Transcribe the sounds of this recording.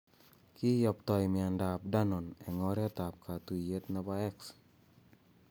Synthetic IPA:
kɪ˦jɔ˨p̚t̪ɔ˨jmɪa˨nda˨p̚da˦nɔ˨nɛ˨ŋɔɾɛ˦a˦t̪a˨p̚kʰa˨t̪u˨je˦t̪na˦ba˦ɛ˦ks

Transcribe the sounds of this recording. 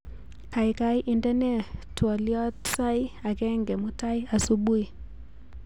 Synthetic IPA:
ka˨i˨ka˦jʔi˨ndɛ˦nɛ˦tːwɔ˨ljɔ˦tsa˦i˦a˨kɛ˦ŋɡɛ˨mu˦ta˦i˦a˨su˦ɓu˦i˨

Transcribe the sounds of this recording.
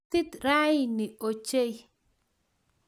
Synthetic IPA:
t̪i˦t̪ɾa˦jni˨o˨t͡ʃe˦j

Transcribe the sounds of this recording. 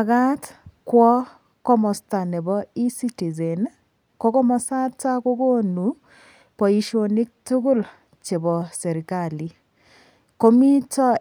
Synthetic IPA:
ka˦tkwɔ˦ | kɔ˦mɔ˨sta˨nɛ˨bɔ˦i˦si˦ti˨ze˨n | kɔ˦kɔ˦mɔ˦sa˦ta˦ko˦ko˦nu˨ | pɔ˨i˨ʃo˨ni˦k̚tu˦ɡu˦l | t͡ʃe˨bɔ˨sɛ˨ɾi˨ka˨li˨ | ko˦mi˦tɔ˦

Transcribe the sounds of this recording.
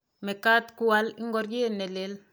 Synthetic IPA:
me˨ka˦tku˦wali˦ŋɡɔ˦ɾje˦nɛ˨lel

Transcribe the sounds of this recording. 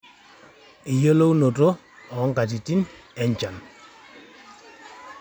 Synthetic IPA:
i˨jo˦lo˦wno˨to˦ | ɔ˨˦ŋ˦ka˨t̬i˨ti˦nɛ˨ɲt͡ʃa˨n

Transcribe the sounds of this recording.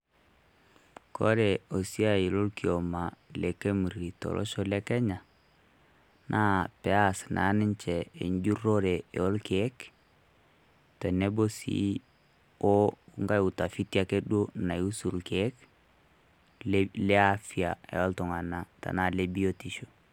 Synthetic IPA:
kɔ˦ɾɛ˨o˨si˦a˨ji˨lo˦lkio˨ma˨le˨ke˦mu˨ɾi˨tɔ̰˨lʔɔ̰˦ʃo˦lɛ˦kɛ˦ɲa˨ | nʔa˦pɛ˨a˦snʔa̰˨˦nɪ˦ɲt͡ʃɛ˨ḛ˨ɲɟu˦ɾo˦ɾe˨ɛ˨ɔ˦lke˦k | tɛ˨ne˦bo˦sḭ˦ | o˦ŋɡa˦ju˨ta˨fi˦ti˦a˦ke˦do˦na˨ju˦su˨lke˦k | lɛ˦a˦fia˨ɛ̰˨ɔ˦ltɔ˨ŋa˨na˨ta̰˨na˦le˦bi˦o˦ti˦ʃo̥˨

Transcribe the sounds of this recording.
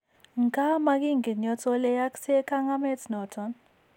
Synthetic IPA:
ŋ˨kʼa˦ma˦k̬i˦ŋɡi˨ɲɔ˨t͡sʰʼɔ˦lɛ˦ja˦ksɛ˦kʰʼa˦ŋa˦mɛ˦tʰnɔ˨tʰɔn

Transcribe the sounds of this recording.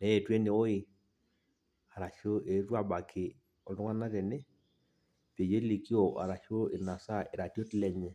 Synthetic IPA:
nɛ˦e˨twe˦ne˨o˦i˦˨ | a˨ɾa˨ʃo˦e˨ɾwa˦ba˨kʰɪ˨ | ɔ˨do˦ŋa˦na˦ɾe˨ne˦ | pe˨je˦li˨ki˦o˨ʔa̰˨ɾa˨ʃo˦e˨na˨sa˦e˨ɾa˨to˦tlɛ˦ɲɛ˦

